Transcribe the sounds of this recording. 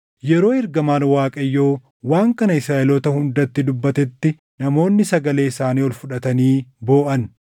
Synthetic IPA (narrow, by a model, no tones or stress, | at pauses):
jɛɾo̞ːɪɾɡɐmaːnwaːkʼɐjːo̞ː | waːŋkɐnɐɪsɾaːʔɛlɔt̪ɐhʊnd̪ɐt̪ːɪd̪ʊbːɐt̪ɛt̪ːɪ | nɐmo̞ːnːɪsɐɡɐle̞ːɪsaːniːɔlfʊᶑɐt̪ɐniːbo̞ːʔɐn